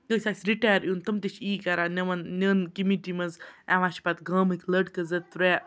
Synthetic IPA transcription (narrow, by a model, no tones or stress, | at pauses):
kəsʲaːsʲɾiʈaːjɾjunt̪ɐmt̪it͡ʃʰiːkaɾaːnɐʋɐnnʲəːnkimiʈimɐzaːʋãːt͡ʃʰpat̪ɡɐːmɨkʰʲləɖkɐzɐt̪̚ːɾɛ